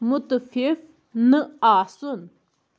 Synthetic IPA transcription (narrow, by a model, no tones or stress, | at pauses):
mot̪əfʰef | nəason